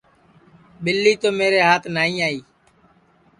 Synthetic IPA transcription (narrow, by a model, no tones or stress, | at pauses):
ɓɪlːiːt̪oːmeːɾeːɦaːt̪ʰnaːĩːaːiː